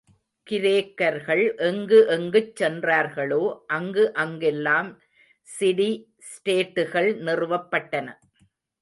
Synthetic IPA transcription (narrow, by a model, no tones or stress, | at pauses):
kɪɾeːkːɐɾɣɐɭʔɛŋɡɯʔɛŋɡɯt͡ʃːɛndraːɾɣɐɭoːʔɐŋɡɯʔɐŋɡɛlːaːm | sɪɽi | sʈeːʈːɯɣɐɭnɪrɯʋɐpːɐʈːɐnɐ